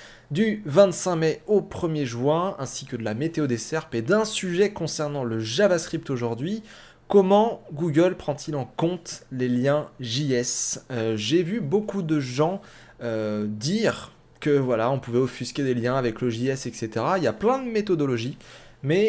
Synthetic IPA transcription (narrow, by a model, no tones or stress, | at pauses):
d̪yvɛ̃t̪sɛ̃mɛopχəmjeʒwɛ̃ɛ̃si̥kʲəd̪əlamet̪eod̪esɛʁped̪ɛ̃syʒɛkɔ̃sɛʁnɑ̃ləʒavaskχip̚t̪oʒuʁd̪ɥi | kɔmɑ̃ɡuɡəlpχɑ̃t̪ʰilɑ̃kɔ̃t̪leljɛ̃ʒiɛsøʒevybokud̪əʒɑ̃ | ød̪iʁ | kəvwalaɔ̃puvɛofyskʲed̪eljɛ̃avɛkləʒiɛsɛkset̪eʁailjaplɛ̃d̪əmet̪ɔd̪ɔlɔʒimɛ